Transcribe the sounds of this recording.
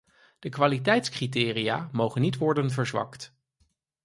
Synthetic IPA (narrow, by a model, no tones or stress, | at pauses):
d̥əkʋaːlitɛjtskriteːrijaːmowχənːitʋɔɹdənvəɹzʋɑ̰kt